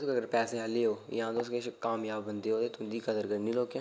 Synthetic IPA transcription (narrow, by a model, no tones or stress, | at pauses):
skəɡəɾpɛːsẽːɦəleːɦoːjãːd̪oskeʃkaːmjaːbːənd̪eːɦoːd̪eːt̪ʊnd̪iːkəd̪əɾɡəɽnĩːloːkjãː